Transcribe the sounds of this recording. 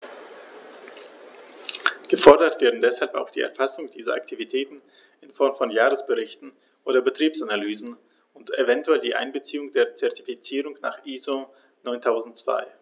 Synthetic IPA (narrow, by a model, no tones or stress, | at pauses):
ɡ̥əfɔɐdɐtv̥eːɐdn̩dɛshalpa̰ʊxd̥iːʔɛ̰ɐfasʊŋd̥iːzɐʔa̰ktʰivitʰɛːtn̩ | ʔɪnfɔɐmfɔnjaːʁəsb̥əʁɪçtn̩ | ʔoːdɐbətʁ̥iːpsanalyːzn̩ | ʊntevɛntuɛldiːʔa̰ɪnbət͡siːʊŋdeːɐt͡sɛɐtifit͡siːʁʊŋna̰ːχʔiːzo | nɔʏntʰaʊzn̩tt͡sv̥a̰ɪ